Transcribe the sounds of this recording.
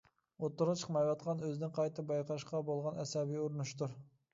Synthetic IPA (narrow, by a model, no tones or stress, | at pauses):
ot̪ːʊɾʁɑt͡ʃʰə̥χmɑjwɑt̪̚qʰɑnøzɪnɪŋqʰɑjt̪ɨbɑjqʰɑʃqɑbolˠʁɑnɛsɑbijoɾunuʃt̪uɾ